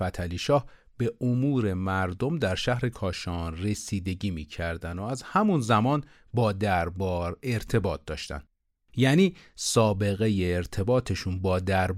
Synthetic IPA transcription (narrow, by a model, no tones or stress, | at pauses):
fæt̪ʰæliːʃɒːh | b̥e̞ʔomuːɾe̞mæɾd̪o̞md̪æɾʃæhɾe̞kʰɒːʃɒːnre̞siːd̪e̞ɟiːmiːcʰæɾd̪ænd̪oæzhæmunzæmɒːn | bɒːd̪æɾbɾe̞ɾt̪ʰe̞bɒːt̪̚d̪ɒ̰ːʃt̪æ̰n | jæːniːsɒːbe̞ɣe̞jeːɾt̪ʰe̞bɒːt̪ʰe̞ʃunbɒːd̪æɾb